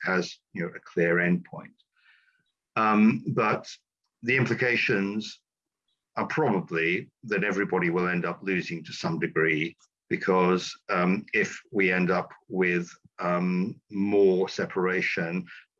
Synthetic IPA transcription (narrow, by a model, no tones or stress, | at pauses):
əz̥jnoʊʔɨkʰl̥ɪəɹɛ̃n̚pʰɔ̃ɪ̃nt | ʌb̥ʌt̪̚ | ðiɪ̃mpʰlɨkʰeɪʃɨ̃nz | ə˞pʰɹ̥ɑbəbliðɨɾɛvɹibɑɾiwɪlˠɛ̃ndʌplʉzɪ̃ŋtʰɨsʌ̃mdɨɡɹi | b̥ɨkʰʌzʌɪfwiɛ̃ndʌpwɪðʌ̃mmɔɹsɛpʰə˞eɪʃə̃n